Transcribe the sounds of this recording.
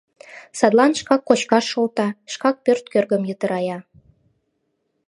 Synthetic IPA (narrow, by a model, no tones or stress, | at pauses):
sɑd̪lɑnʃkɑkːot͡ɕkɑʃːolt̪ɑʃkɑk̚pørt̪̚kørɣə̆mjət̪ə̆ɾɑjɑ